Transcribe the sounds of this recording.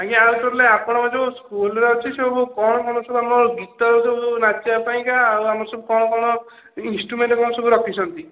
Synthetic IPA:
aɡiawʈɔɾleapɔɽ̃ɔad͡ʒoskulɔɾeɦɔt͡ʃʰisebabukɔɽ̃ɔkɔɽ̃ɔsɔbuamɔɾɡit̪ɔɾsɔbunat͡ʃiapaĩkaːwamɔɾsɔbukɔɽ̃ɔkɔɽ̃ɔ | insʈɾumeɳʈɔkɔɳ̃ɔsɔbuɾɔkʰit͡ʃʰɔnt̪i

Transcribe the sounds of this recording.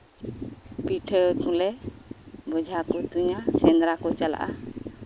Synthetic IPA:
piʈʰəkũlɛ | bɔd͡ʒʱakut̪uɲasɛnd̪ɾakɔt͡ʃala̰ʔa̰

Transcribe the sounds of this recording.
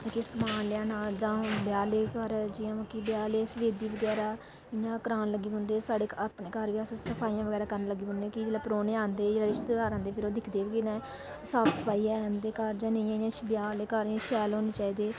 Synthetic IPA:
kesəmaːnlɪaːnaːd͡ʒãːbjaːleːkəɾd͡ʒɪjãːməkːiːbjaːleːsəʋeːd̪iːʋəɡɛːɾaː | ɪnãːkəɾaːnləɡiːɦʊ̃nd̪eːsaːɽeːapneːkəɾʋiassəpʰaːiːãːʋəɡɛːɾaːkəɾənləɡiːɦʊ̃nd̪eːkid͡ʒeːlaːpɾoːneːãːnd̪eːd͡ʒeːlaːɾɪʃt̪t̪ed̪aːɾãːnd̪eːpʰɪɾoːd̪ɪkʰd̪eːʋkinɛ̃ː | saːksəpaːiːɛːnd̪eːkəɾd͡ʒãːnə̃ĩãːɪnãːbjaːleːkəɾʃɛːlɦoːneːt͡ʃaːiːd̪eː

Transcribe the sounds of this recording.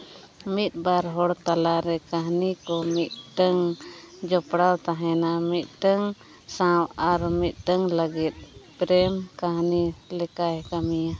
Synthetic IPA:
mit̪̚baɾɦɔɽt̪alaɾɛkaɦnikɔmit̪̚ɖəŋd͡ʒɔpɽawt̪aɦɛnamit̪̚ˀʈəŋ | sãwaɾmit̪̚ˀɖəŋlaɡit̪̚pɾɛmkaɦnilɛkaɦɛkamija

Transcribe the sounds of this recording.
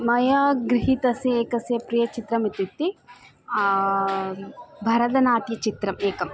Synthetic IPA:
mɐjaːɡɾiɦit̪ɐsjɐeːkɐsjɐpɾijɐt͡ʃit̪ɾɐmit̪it̪ːi | bʱɐɾɐd̪ɐnaːt̪jɐt͡ʃit̪ɾɐmeːkɐm

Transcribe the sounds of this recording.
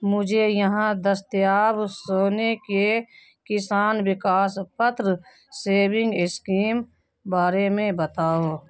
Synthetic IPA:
mʊd͡ʒʱejəɦãd̪əst̪jaːbsoːneke | kɪsaːnwɪkaːspət̪ɾə | seːbɪ̃ŋɡɪskiːm | baːɾemẽbət̪aːoː

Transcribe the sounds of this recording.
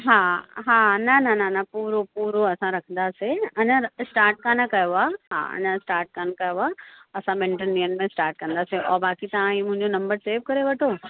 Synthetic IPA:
ɦaːɦaːnɐnɐnɐnɐpuːɾopuːɾoɐsãɾɐkʰə̃nd̪aːseɐɲəsʈaːɾʈ̚kaːnəkɐjoaɦa̰ːɐ̰ɲə̃sʈaːɾʈ̚kaːnkɐjoaɐsãɓɪ̃ɳʈəndiːənmẽsʈaːɾʈ̚kɐ̃nd̪aːseʔɔːɾbaːkit̪ɐʋãiːmʊ̃ɦɪ̃ɲd͡ʑonɐ̃mbəɾseːʋkɐɾeʋɐʈʰo

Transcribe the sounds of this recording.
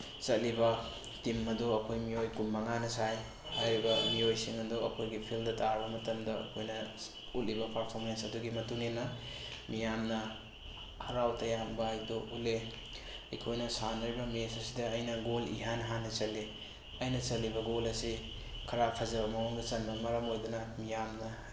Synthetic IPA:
t͡ʃɐt̚libɐ | timːɐduɐkʰojmijojkumbɐŋanɐsaj | hajɾiɡɐmiojsiŋɐduɐ̰kʰojɡipʰildɐtaɾbɐmɐtɐmdɐɐ̰kʰojnɐ | ut̚libɐpɐɾpʰoɾmensɐduɡimɐtuŋnenːɐ | mijamnɐ | hɐɾawtɐjambɐjdoule | ɐjkʰojnɐsanɐɾibɐmesɐsidɐːjnɐɡolḭɦanɦanɐt͡ʃɐlːi | ɐjnɐt͡ʃɐlːibɐɡolɐsi | kʰɐɾapʰɐzɐbɐmɐoŋdɐt͡ʃɐnbɐmɐɾɐmojdunɐmijamnɐ

